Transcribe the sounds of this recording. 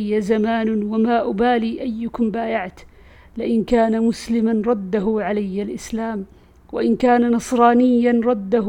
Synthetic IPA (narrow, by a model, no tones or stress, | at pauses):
jːazamaːnʊwamaːʔʊbaːliːʔajːʊkʊmbaːjaʕt̪ | lɪʔɪnkaːnamʊslɪmanɾˤɑd̪ːaɦʊʕalajːalʔɪslaːm | waʔɪnkaːnanɑsˤɾˤɑːnɪjːanɾˤɑd̪ːah